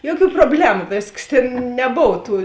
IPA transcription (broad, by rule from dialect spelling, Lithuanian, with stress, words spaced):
ˈjoːˌkʲuː proːˈbʲlʲæːmʊ ˈʋʲeːsˌkɐs ˈtʲeːn nʲɛˈboːw ˈtuː